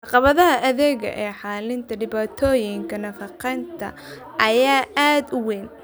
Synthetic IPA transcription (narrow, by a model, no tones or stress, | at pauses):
ʕɑqɑβɐðɐɦɐʔɐðɛːɣɐ̰ʔɛːħɑːlɪnt̪ʰɐɖɪβaːt̪ʰɔːjɪŋkʰɐnɐfɑqɛnt̪ʰɐ̰ | ʔɐjaːʔaːd̪ʊwɛːn